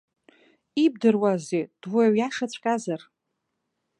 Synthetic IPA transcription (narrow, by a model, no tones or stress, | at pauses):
ib̚dɨrwazed̥waaɥjaʂat͡ɕʷʼkʲʼazar